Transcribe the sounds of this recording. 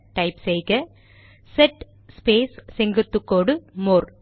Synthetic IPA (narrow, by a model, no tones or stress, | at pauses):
ʈɐɪpsɛjkɐ | sɛʈ | speːssɛŋɡɯt̪ːɯkːoːɽɯmoːɾ